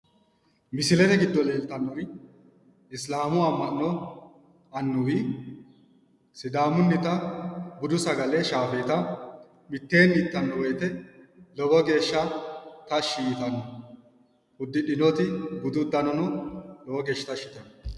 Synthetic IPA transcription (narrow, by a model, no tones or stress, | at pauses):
mɪsɪlɛt̪ɛɡɪd̪ːɔle̞ːlt̪ɐnːɔɾɪ | ɪslaːmʊɐmːɐnːɔ | ɐnːʊwi | sɪd̪aːmʊnːɪt̪ɐbʊd̪ʊsɐɡɐlɛʃaːfeːt̪ɐ | mɪt̪ːe̞ːnːit̪ːɐnːɔweːt̪ɛ | lɔwɔɡe̞ːʃːɐt̪ɐʃiːt̪ɐnːɔ | ʊd̪ːɪɗɪnɔt̪ɪbʊd̪ʊd̪ːɐnɔnɔlɔwɔɡe̞ːʃːɪt̪ɐʃɪt̪ːɐnɔ